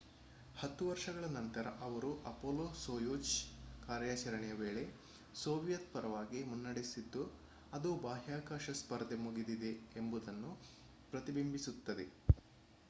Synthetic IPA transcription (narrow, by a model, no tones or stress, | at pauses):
hɐt̪ːuʋɐɾʂɐɡɐɭɐnɐnt̪ɐɾɐ̰ʔɐʋɐɾuʔɐpoːloːsoːjoːt͡ʃkaːɾjaːt͡ʃɐɾɐɳɛjɐʋe̞ːɭe̞ | soːʋijɐt̪̚pɐɾɐʋaːɡimunːɐɽesid̪ːu | ɐd̪ubaːɦjaːkaːʃɐspɐɾd̪ʱemuɡid̪id̪e̞ːmbud̪ɐnːu | pɾɐt̪ibimbʱisut̪ːɐd̪e̞̰